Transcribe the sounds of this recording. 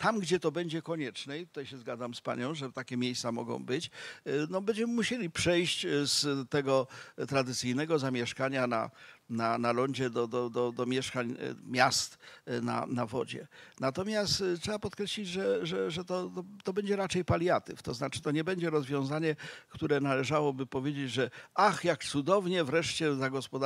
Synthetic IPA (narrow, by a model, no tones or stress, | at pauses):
t̪amɡd͡ʑɛt̪ɔbɛɲd͡ʑɛkɔɲɛt͡ʂnɛit̪u̥t̪ajɕɛzɡad̪zamspa̰ɲɔ̃w̃ʐɛt̪akʲɛmʲjejst̪samɔ̰ɡɔ̰̃w̃bɘt͡ɕnɔbɛɲd͡ʑɛmɘmuɕelʲipʂɛjɕt͡ɕst̪ɛɡɔt̪ɾad̪ɘt̪sɘjnɛɡɔzamʲjɛʂkaɲana̰nanalɔɲd͡ʑɛd̪ɔd̪ɔd̪ɔd̪ɔmʲjɛʂkaɲmʲjast̪na̰navɔ̰d͡ʑɛ̰nat̪ɔmʲjast̪tʂɛbapɔt̪̚kɾɛɕlʲid͡ʑʐɛʐɛʐɛt̪ɔt̪ɔt̪ɔbɛɲd͡ʑɛɾat͡ʂɛjpalʲjat̪ɘ̰ft̪ɔznat͡ʂɘ̥t̪ɔɲɛbɛɲd͡ʑɛɾɔzvʲjɔ̃w̃zaɲɛkt̪uɾɛnalɛʐawɔbɘpɔvʲjed͡ʑed͡ʑʐɛaxjakt̪sud̪ɔvɲɛvɾɛʂt͡ɕɛzaɡɔspɔd̪